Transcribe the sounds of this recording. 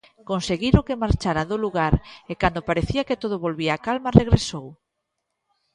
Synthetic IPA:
konseɣiɾʊkemaɾt͡ʃaɾaðʊluɣaɾekand̪opaɾeθiaket̪oð̞ʊβolβiaːkalmareɣɾesow

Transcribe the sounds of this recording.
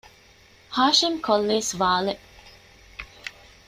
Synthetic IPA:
haːʃimkʰolːeːsʋaːle

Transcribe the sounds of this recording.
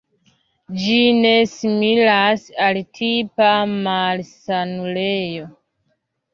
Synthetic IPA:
d͡ʒine̞similasaltʰipamalsanule̞jo̞

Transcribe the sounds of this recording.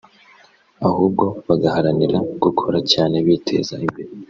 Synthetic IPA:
ahuːb̚ɡo̞βaɡahaɾaniɾaɡ̥ukʰo̞ɾacaːne̞βiːtʰe̞̰ːzaimbeɾe

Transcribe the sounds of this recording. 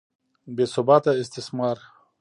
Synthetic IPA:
besʊbat̪aɪst̪ɪsmaɾ

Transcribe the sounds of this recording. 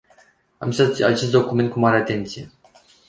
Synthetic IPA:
amist̪at̪sʲa̰t͡ʃe̞s̬t̪d̪o̞kume̞nt̪̚kumaɾeat̪e̞nt̪sije̞

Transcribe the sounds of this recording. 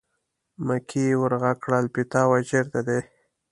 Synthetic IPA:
makʰiwəɾɣakɽalpit̪ɑwad͡ʒeɾd̪ad̪e

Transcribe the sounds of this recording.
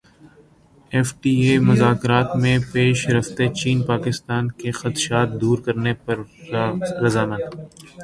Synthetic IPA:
eːfʈiːeːmʊzaːkɾaːt̪mẽpeːʃɾɐft̪et͡ʃiːnpaːkɪst̪aːnkexɐt̪ʃaːt̪̚d̪uːɾkɐɾnepɐɾ | ɾɐzaːmat̪

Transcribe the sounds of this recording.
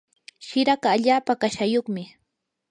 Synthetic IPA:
ʃɪɾaɢɑːʎaːpakaʃajoχmɪ

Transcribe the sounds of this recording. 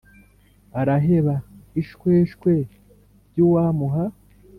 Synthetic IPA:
aɾaɦe̞βaiʃkwe̞ːʃkwe̞ | ɾɟuwaːmuɦa

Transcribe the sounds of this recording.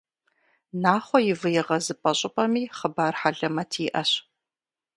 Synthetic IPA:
naːχʷɔjɪvɨjɛʁɐzɨpʼɐɕʼɪpʼɐmiːχəbaːrħaɮɐmɐtʰiːʔɐɕ

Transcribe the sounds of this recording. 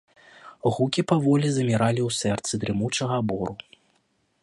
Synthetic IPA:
ɣukʲipavɔlʲizɐmʲiɾalʲiwsɛrt̪sɨd̪ɾɨmut͡ʂɐɣɐbɔɾu

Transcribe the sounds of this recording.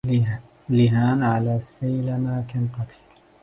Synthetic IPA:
lɪɦaːnʕalaːsːajlamakanqɑt̪ʰi̥ːl

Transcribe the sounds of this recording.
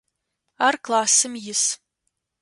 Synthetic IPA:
arklˠaːsɨmjɪs

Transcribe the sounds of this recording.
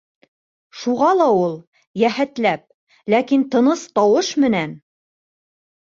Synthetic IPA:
ʃuʁɑlˠɑulˠ | jæhæt̪læp̚ | lækint̪ɤ̆nɤst̪ɑwɤʃmɘ̆næn

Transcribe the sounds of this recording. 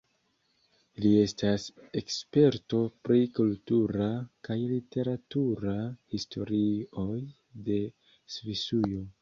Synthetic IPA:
lie̞stase̞kspe̞ɾto̞pɾikultuɾakajlite̞ɾatuɾahistʰo̞ɾio̞j | de̞ | svisujo̞

